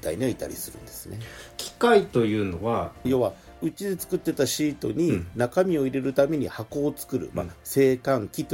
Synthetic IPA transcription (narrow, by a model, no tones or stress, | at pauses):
t̪a̰iɲ̟iait̪a̰ɾʲḭsɨɾɯ̟̰̃nd̪̥e̞sɨne̞kʲi̥kait̪o̞jɯ̟ːno̞βajo̞βa | ɯ̟t͡ɕid̪e̞t͡sɨ̥kɯ̟t̪ːe̞t̪aɕiːt̪o̞̰ɲ̟inakamʲio̞iɾe̞ɾɯ̟t̪ame̞ɲ̟ihako̞ːt͡sɨ̥kɯ̟ɾɯ̟̰ma̰se̞ːkãŋkʲit̪